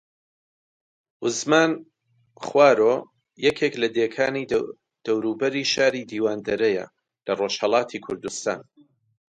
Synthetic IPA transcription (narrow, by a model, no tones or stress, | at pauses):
ʔʊzmaːn | χwaːɾo | jɛkʰeklɐd̪ekʰaːni | d̪̥ɐwɾuːbɐɾiːʃaːɾiːd̪iːwaːnd̪ɐɾɐjɐ̰ | lɐroːʃhɐlˠɑːt̪ʰikʰʊɾd̪ust̪a̰ːn